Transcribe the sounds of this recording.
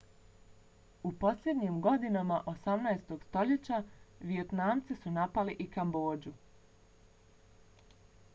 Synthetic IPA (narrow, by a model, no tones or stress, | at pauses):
upo̞slʎʲje̞d̪ɲimɡo̞d̪inamaʔosamnajst̪o̞ɡ̥st̪o̞ʎet͡ɕaʋiet̪naːmt̪sisunapaliʔikambo̞ːd͡ʑu